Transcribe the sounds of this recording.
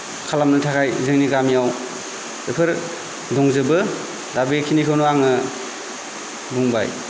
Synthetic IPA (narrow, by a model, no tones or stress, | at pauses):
kʰalamnɯtʰakʰajzɯŋniɡamijaw | epʰɯɾ | dɔŋzɯbɯ | dabikʰinikʰawnoaŋɯ | buŋba̰j